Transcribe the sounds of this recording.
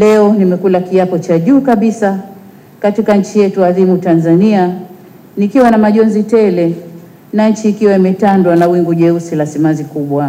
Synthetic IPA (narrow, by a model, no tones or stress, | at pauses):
lɛɔnimɛkulakiapɔt͡ʃaʄuːkaɓisa | katikaɲ̩t͡ʃijɛtuaðimutanzania | nikiwanamaʄɔnzitɛlɛ | naɲ̩t͡ʃiːkiwaimɛtandwanawiŋɡuʄɛusilasimazikuɓwa